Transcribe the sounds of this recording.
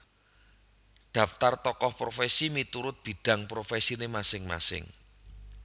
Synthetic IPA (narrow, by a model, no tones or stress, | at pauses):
ɖ̪̥ä̤ft̪art̪ɔkɔhpɾofesimit̪uɾʊt̪̚b̥i̤d̥ä̤ŋpɾofesinemasɪŋma̰sɪ̰ŋ